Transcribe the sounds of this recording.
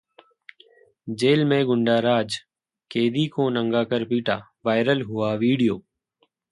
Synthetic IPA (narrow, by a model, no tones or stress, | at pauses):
d͡ʒeːlmẽːɡʊɳɖaːɾaːd͡ʒ | keːd̪iːkõːnəŋɡaːkəɾpiːʈaː | ʋaːɪɾəlɦʊaːʋiːɽijoː